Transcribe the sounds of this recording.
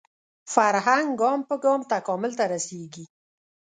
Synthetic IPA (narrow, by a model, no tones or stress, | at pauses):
faɾɦaŋɡɡɑmpəɡɑmt̪akɔmʊlt̪aɾaseɡi